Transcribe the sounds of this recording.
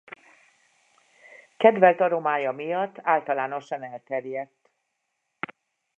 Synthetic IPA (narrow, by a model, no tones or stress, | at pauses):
kɛd̪vɛlt̪ɒd̪o̞maːjɒmijɒt̪ːaːlt̪ɒlaːno̞ʃɒnɛlt̪ɛrjɛt̪ː